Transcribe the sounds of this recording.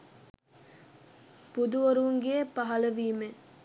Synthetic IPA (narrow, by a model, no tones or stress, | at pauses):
pud̪uʋoɾuuŋɡeepaɦɐlɐʋiːme